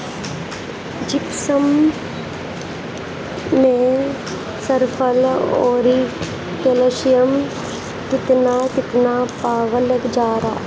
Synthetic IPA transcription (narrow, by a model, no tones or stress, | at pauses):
d͡ʒɪpsəm | ẽ | səɾpʰəloːɾi | keːloʃijəm | kɪt̪nakɪt̪napaːʋələkd͡ʒaːɾaː